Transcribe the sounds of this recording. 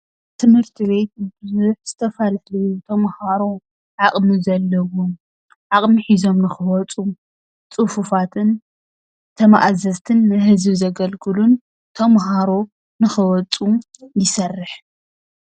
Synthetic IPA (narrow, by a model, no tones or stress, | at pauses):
t̪ʰɨmhɨɾt̪ʰiβe̞t̪̚bɨzuħz̥ɨt̪ʰɐfɐlalɐjut̪ʰɐmhaɾo̞ | ʕaχʼmɨzɐlːɐwom | ʕakʼmiħizo̞mnɨxɨwɔt͡sʼu | t͡sʼɨfufat̪ʰɨn | t̪ʰɐmaʔazɐzt̪ʰɨnːɨhɨzbzɐɡɐlkʰɨlun | t̪ʰɐmɦaɾo̞ | nɨxɨwɔt͡sʼujɪsɐrːɨħ